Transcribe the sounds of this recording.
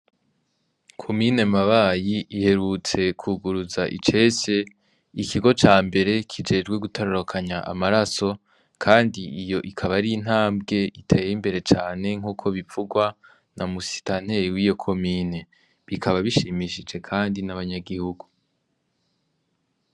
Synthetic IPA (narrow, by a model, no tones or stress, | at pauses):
kʰo̞mine̞maβaːjiʔihe̞ɾut͡se̞kʰuɡuɾuzaʔḭt͡ʃe̞se̞ | ikʰiɡo̞t͡ʃaːmbe̞ɾe̞kʰid͡ʒe̞ːd͡ʒɡwe̞ɡutaɾaɾokʰaɲaʔa̰maɾaso̞ | kʰaːndiijo̞ʔikʰaβaɾin̥haːmbɡe̞itʰeːjimbe̞ɾe̞t͡ʃaːne̞ŋ̥uːkʰo̞βivuɡwa | nʔamusi̥tan̥eiwiːjo̞kʰo̞mine̞ | βikʰaβaβiʃimiʃid͡ʒe̞kʰaːndinaβaɲaɡihuɡu